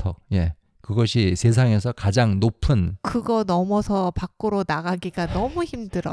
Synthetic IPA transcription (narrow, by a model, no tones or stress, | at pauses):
tʰʌje̞ | kɯɡʌɕʰisʰe̞s̬ʰaŋe̞sʰʌkad͡ʑaŋnopʰɯnkɯɡʌnʌmʌsʰʌpakk͈uɾonaɡaɡiɡanʌmuçimdɯɾʌ